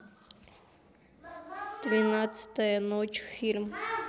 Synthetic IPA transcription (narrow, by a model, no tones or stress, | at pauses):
d̪̥vʲinat̪sə̥t̪əjənot͡ʃfʲilʲm